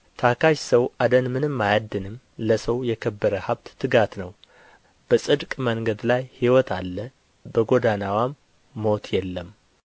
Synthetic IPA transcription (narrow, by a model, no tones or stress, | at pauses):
t̪ʰakʰaʃsəwad̪ənmɨnɨmːajad̪ːɨnɨm | ləsəwjɛkʰəbːəɾəhaβt̪ːɨɡat̪nəw | b̥əsʼɨd̪kʼməŋɡəd̪lajhiwɔt̪ʰalːə | bəɡo̞d̪anawamː | o̞t̪jɛlːəm